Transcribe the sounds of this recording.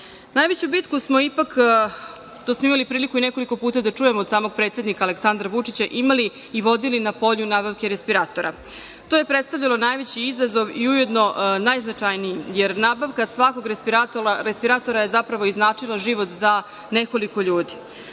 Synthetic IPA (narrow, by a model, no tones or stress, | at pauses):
najʋet͡ɕubit̪kusmo̞ipak | t̪osmoimalipɾiːlikuine̞ko̞liko̞puːt̪ad̪at͡ʂujemoːd̪saːmoɡ̚pɾet̪se̞d̪nikaːle̞ksand̪ɾaʋut͡ʂit͡ɕaʔimaliː | ʋo̞d̪ilinapo̞ʎunaːbaʋkeɾe̞spiɾaːt̪o̞ɾa̰ | t̪ojepɾet̪st̪avʎalˠonaːjʋet͡ɕiizazo̞ʋiuje̞d̪no̞naːjznat͡ʂajnijimjeɾnaːbaʋkasʋako̞ɡɾespiɾat̪oaɾespiɾat̪o̞ɾaje̞zapɾaʋo̞iznaːt͡ʂilˠaʒiʋo̞t̪za | ne̞ko̞likoʎuːd̪i